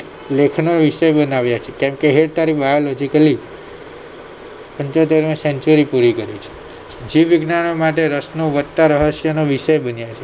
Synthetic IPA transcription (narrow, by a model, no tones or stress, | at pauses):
lekʰnoʋiʃəjbənaʋjat͡ʃʰekɛ̃mkeɦeɽt̪aɾibalɔd͡ʒikəli | pəɲt͡ʃot̪eɾmesɛ̃nt͡ʃuɾipuɾikəɾit͡ʃʰe̥ | d͡ʒiʋiɡnanomaʈeɾəsnoʋət̪ːaɾəɦəʃjənoʋiʃəjbənjat͡ʃʰe